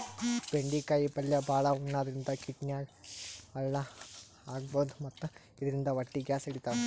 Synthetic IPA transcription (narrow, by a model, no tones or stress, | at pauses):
beɳɖikːaːjipɐlːɐbaːɭɐuɳːaːðiɾind̪ɐkiʈnjaː | ɐɭːɐ | aːɡ̚bɐːnd̪mɐt̪ːɐ | iðiɾind̪ɐʋɐʈːiɡjaːsɐɽit̪ːaː